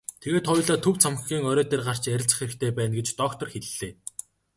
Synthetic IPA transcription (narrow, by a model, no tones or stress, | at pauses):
t̪ʰeɣeːt̪χʊj̆ɮaːt̪ʰɵwt͡sʰam̆xɡʲiːŋœɾœːt̪eːrɢar̥t͡ɕæɾʲɪ̆ɬt͡s̆χxeɾɘ̆kt̪ʰeːpæːnɡet͡ɕt̪ɔkt̪ɞ̆rxeɮɮeː